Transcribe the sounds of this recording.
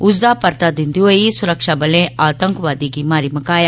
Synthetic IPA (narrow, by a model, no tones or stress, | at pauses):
ʊsd̪aːpɐɾt̪ad̪ind̪iʋojisuɾɐkʂabɐlẽaːt̪ɐŋkʋaːd̪iɡimaːɾimɐkaːja